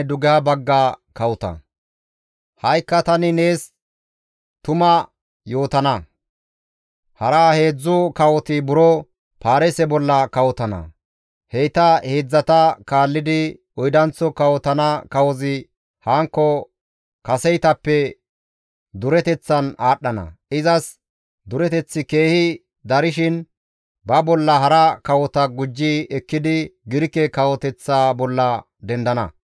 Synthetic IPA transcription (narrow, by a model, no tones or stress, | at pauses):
d̪ʊɡɛhɐbɐɡːaːkɐwʊt̪ɐ̰ | hɐjkːɐt̪ɐnɪne̞ːs | t̪ʊmɐ | jo̞ːt̪ɐnɐ | hɐɾaːhe̞ːd͡zːʊkɐwɔt̪ɪbʊɾɔ | paːɾɛsɛbɔlːɐkɐwɔt̪ɐnɐ̰ | hɛjt̪ɐheːd͡zːɐt̪ɐkaːlːɪd̪ɪ | ɔjd̪ɐnt͡sːɔkɐwɔt̪ɐnɐkɐwɔzɪ | haːŋkːɔ | kɐsɛjt̪ɐpːɛ | d̪ʊɾɛt̪ɛt͡sːɐnaːɗːɐnɐ̰ɪzɐs | d̪ʊɾɛt̪ɛt͡sːɪke̞ːhɪ | d̪ɐɾɪʃɪn | bɐbɔlːɐɦɐɾɐkɐwɔt̪ɐɡʊd͡ʒːɪɛkːɪd̪ɪɡɪɾkːɛkɐwɔt̪ɛt͡sːaːbɔlːɐ | d̪ɛnd̪ɐnɐ̰